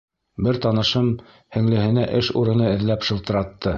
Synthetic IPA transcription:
bɘɾt̪ɑnɤ̆ʃɤm | hɘ̆ŋlɘ̆hɘ̆næʔɘʃuɾɤ̆nɤɘ̆ðlæpʃɤ̆lˠt̪ɤ̆ɾɑt̪ːɤ

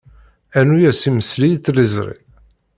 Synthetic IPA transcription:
ænujæsiməslijt͡sːlizɾˤḭ

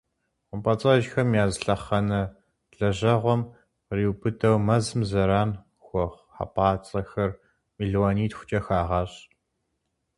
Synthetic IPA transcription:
qʷʊmpʼɐt͡sʼɐʒxɐmjaːzɬɐχɐnɐ | ɬɐʑɐʁʷɔm | riːwpʰɨtʰɐwmɐzɨmzɐɾaːn | xʷɔʁʷ | ħa̰pʰʼaːt͡sʼɐxɐr | miːɮwoniːtxʷʊ̥t͡ʃʼɐxaːʁɑɕ

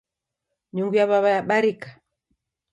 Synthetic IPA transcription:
ɲuŋɡujaβaβajaɓaɾikḁ

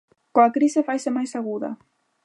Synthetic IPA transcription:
koakɾisefajsɪmajsaɣuðɐ̰

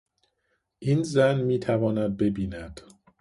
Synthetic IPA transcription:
ʔiːnzænmiːt̪ʰævɒːnæd̪̚be̞biːnæd̪̥

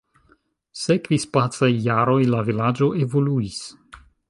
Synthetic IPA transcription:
sekvispat͡sajːaɾo̞jlavilad͡ʒo̞ʔe̞vo̞luis

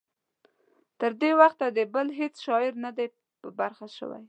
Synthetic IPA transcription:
t̪əɾd̪ewaxt̪ad̪əbəlɦet͡sʃɑɪɾnad̪a | pəbaɾxaʃə̰wa̰j

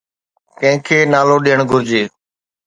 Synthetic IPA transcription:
kə̃ɦɪ̃kʰeːnaːloːɗiːəɳɡʱʊɾd͡ʒeː

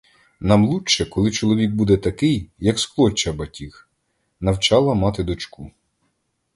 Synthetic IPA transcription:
nɑmlˠutʃɛkɔlˠɪt͡ʃɔlˠɔʋʲik̚bud̪ɛt̪ɐkɪjːɐksklˠɔt͡ʃːɐbɐtʲix | nɐwt͡ʃɑlˠɐmɑt̪ɪd̪ɔt͡ʃku

